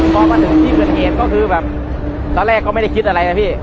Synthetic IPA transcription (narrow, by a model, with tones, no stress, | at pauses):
kɔː˨˩maː˧nt̪ɯ˨˩˦t̪ʰiː˧˥˩kʰɯ˧ənkeː˨˩n̚kɔː˥˩kʰɯː˧bɛː˨˩p̚ | t̪ɔː˧˦lɛː˥˩kːɔː˥˩ma˥˩jda˥˩kʰi˦˥t̪̚ʔa˧a˧j̪a˨˧˩pʰiː˧˥˩